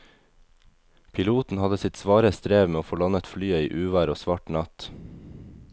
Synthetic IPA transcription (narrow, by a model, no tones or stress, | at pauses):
pʰɪluːt̪n̩hɑd̪əsɪt̪sʋɑːɾəst̪ɾeːʋmeːoːfoːlɑnət̪flyːəiːʔʉːʋæːɾoːsʋɑʈnɑt̪